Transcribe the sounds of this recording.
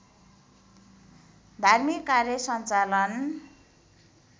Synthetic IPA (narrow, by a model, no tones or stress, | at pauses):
d̪ʱarmikːarjʌsʌnt͡salʌn